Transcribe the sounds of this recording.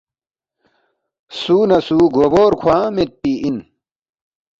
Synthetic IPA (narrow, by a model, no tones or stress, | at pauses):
suːnɐsuːɡoːboːɾkʰwãːmet̪̚piin